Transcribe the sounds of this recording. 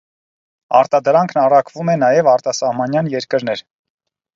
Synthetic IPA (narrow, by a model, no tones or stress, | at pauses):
ɑ̰ɾt̪ɑd̪əɾɑŋkʰnɑrɑkʰvumɛnɑjɛvɑɾt̪ɑsɑhmɑnjɑnjɛɾkəɾnɛɾ